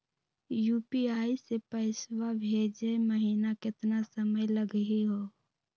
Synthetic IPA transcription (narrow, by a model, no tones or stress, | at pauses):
juːpiaːisepəɪswabʱeːd͡ʒeməɦiːnakɪt̪nasəməjləɡɦiɦoː